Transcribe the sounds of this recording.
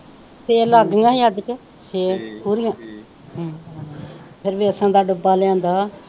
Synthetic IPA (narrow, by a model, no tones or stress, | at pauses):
seːlaːɡɪãːiaɖke | seːpuːɾɪjãː | pʰɪɾʋiːəsãːd̪aːɖʊbaːlɛ̃ːnd̪aː